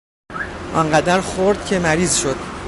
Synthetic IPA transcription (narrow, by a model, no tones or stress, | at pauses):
ʔɒ̰ŋɢæd̪æɾxoɾd̪̥̚cʰe̞mæɾiːzʃo̞d̪̥